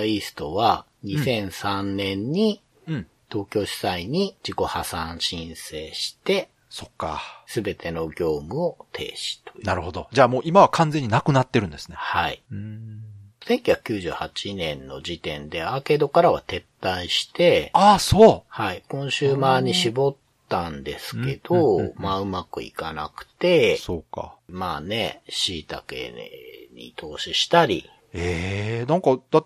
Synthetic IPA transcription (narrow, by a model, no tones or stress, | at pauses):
isɨ̥t̪o̞βa | ɲ̟isẽ̞ɰ̃sãnːẽ̞ɲ̟ːi | ɯ̟̃ | t̪o̞ːkʲo̞ːɕi̥saiɲ̟id͡ʑiko̞hasãɰ̃ɕĩɰ̃se̞ːɕi̥t̪e̞ | so̞kːa̰sɨbe̞t̪ʰe̞no̞ɡʲo̞ːmɯ̟o̞t̪ʰe̞̰ːɕi̥t̪o̞̥jnaɾɯ̟ho̞d̪od͡ʑaːmo̞ːʔimaβakʰãnd͡zẽ̞ɲ̟ːinakɯ̟nat̪ːe̞ɾɯ̟nd̪esɨne̞haḭɯ̃ | sẽ̞ŋkʲiɡḁkʲɨːʑɨ̰ːhat͡ɕinẽ̞nːo̞̰d͡ʑit̪ẽ̞̰nd̪e̞aːke̞d̪o̞kaɾaβa̰t̪e̞t̪ːaiɕi̥t̪e̞aːsoːhaikõ̞ɰ̃ɕɨːmaːɲ̟iɕibo̞t̪ːãnd̪e̞sɨ̥ke̞d̪̥o̞maːɯ̟makɯ̟̰ḭkana̰kɯ̟̥t̪e̞so̞ːka̰maːne̞̰ɕiːt̪a̰ke̞̰ɲ̟ḭt̪ʰo̞ːɕiɕi̥t̪aɾʲḭ | eːnãŋkɑd̪̥at̪ː